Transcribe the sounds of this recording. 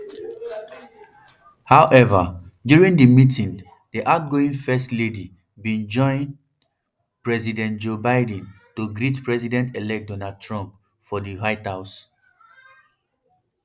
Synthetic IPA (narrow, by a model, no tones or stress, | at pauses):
haʊʔɛvadjuɹĩŋdəmitĩŋ | diʔaʊt̚ɡoĩŋfɛstledi | bĩnd͡ʒɔ̃ɪ̃n | pɹɛzidɛ̃ntd͡ʒobaɪd̃ntoɡɾitpɹɛzidɛ̃ntelɛk̚dɔnad̚tʰɹɔ̃mp | fɔdiɦaɪthaʊs